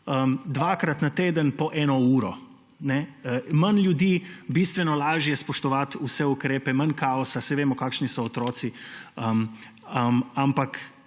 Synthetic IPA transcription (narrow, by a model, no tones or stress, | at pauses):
əmd̪ʋaːkɾat̪nat̪eːd̪ənpɔʔɛːnɔuːɾɔ | nɛəmanlʲjud̪iːbiːst̪ʋɛnɔlaːʒijɛspɔʃt̪ɔʋat̪usɛukɾeːpɛmankaːɔsasɛʋeːmɔkaːkʃnisɔːt̪ɾoːt̪siəm | əmampak